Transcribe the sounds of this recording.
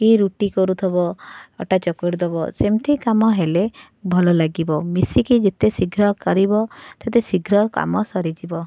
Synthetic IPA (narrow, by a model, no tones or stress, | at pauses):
kiɾuʈikɔɾut̪ʰɔbɔɔ̰ʈat͡ʃɔkɔɾud̪ɔbɔsemt̪ʰikamɔɦele | bʱɔlɔlaɡibɔmisikid͡ʒet̪esiɡʱɾɔkɔɾibɔt̪et̪esiɡʱɾɔka̰mɔsɔɾid͡ʒibɔ